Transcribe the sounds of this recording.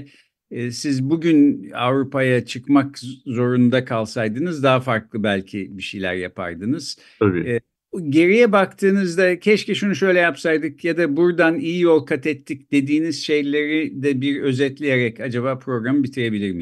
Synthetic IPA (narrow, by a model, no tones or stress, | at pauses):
sizbuɟyna̰vɾupajat͡ʃʰɯkmakzo̞ɾund̪akʰalˠsajd̪ɯnɯzd̪aɦafaɾklˠɯbælʲcʰḭbiʃejlʲæ̰ɾja̰pʰa̰ɾd̪ɯnɯz̥ | abi | ɟe̞ɾijɛbakt̪ʰɯːnɯzd̪acʰɛʃciʃunuʃø̞jlʲɛjapsajd̪ɯkjad̪abuɾd̪anijijo̞lˠkʰat̪ʰɛt̪ʰːic̚d̪̥e̞d̪iːniz̥ʃe̞jlʲe̞ɾid̪ɛbiɾø̞zɛt̪lʲijeɾɛcad͡ʒaβaːpʰɾo̞ɡɾamɯbit̪ʰiɾe̞bilʲiɾmi